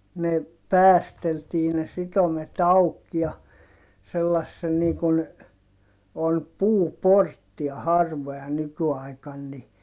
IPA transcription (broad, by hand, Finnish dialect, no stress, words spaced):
ne pæːsteltiː ne sitomet ɑuk jɑ selːɑsːen niː kun on puːportːiɑ hɑrʋojɑ nykyɑikɑn ni